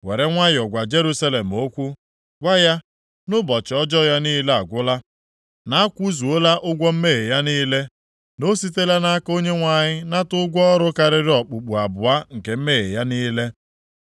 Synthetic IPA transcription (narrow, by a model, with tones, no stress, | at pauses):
we˨ɾe˦ŋʷa˦ɲ˨ɔ˨ɡʷa˨d͡ʒe˦ɾu˦sa˦le˨m̩˨o˦kʷu˦ | ɡʷa˦ja˦ | nʊ˦bɔ˨t͡ʃɪ˨ɔ˦d͡ʒɔ˦ja˦niː˦le˦a˨ɡʷʊ˦la˦ | na˨˦a˦kʷu˦zu˨o˦la˦ʔʊ˦ɡʷɔ˦m̩˦me˦ɣe˨ja˦niː˦le˦ | no˦si˦t̬e˦la˦na˦ko˦ɲe˦ŋʷa˨ɲɪ˦na˦tʊ˦ɡʷɔ˦ɾʊ˦ka˨ɾɪ˦ɾɪ˦ɔ˨k͡pu˨k͡pu˨a˨bʊ˨a˦ŋ̩˨ke˨m̩˦me˦ɣḛ˨ja˦niː˦le˦